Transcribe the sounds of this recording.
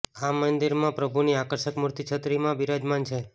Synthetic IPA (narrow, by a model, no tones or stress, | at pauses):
amənd̪iɾmãpɾəbʱuniakəɾʃəkmuɾt̪it͡ʃʰət̪ɾimãbiɾad͡ʒmant͡ʃʰe